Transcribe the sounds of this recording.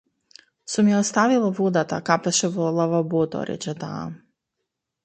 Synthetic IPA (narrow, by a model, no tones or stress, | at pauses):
sumjɛɔst̪avilˠavod̪at̪a̰kapɛʃɛvɔlˠavabot̪ɔ̰ɾɛ̰t͡ʃɛt̪a̰